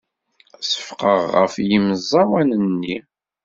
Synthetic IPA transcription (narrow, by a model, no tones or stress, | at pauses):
sə̥fqəʁːə̰fjimzˤːɑwænənnːi